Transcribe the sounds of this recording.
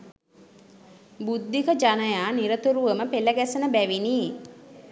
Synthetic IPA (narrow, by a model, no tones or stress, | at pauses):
bud̪ːikəd͡ʒanəjaːniɾət̪uɾuʋəməpeləɡæsənəbæʋiniː